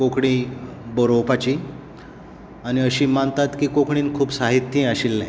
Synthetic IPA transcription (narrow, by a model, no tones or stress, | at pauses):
kokɽ̃ĩboɾowpat͡ɕiː | añiəɕiːmant̪at̪kiːkokɽ̃iːnkʰuːpsaɦit̪ːĩaɕilːɛ̰̃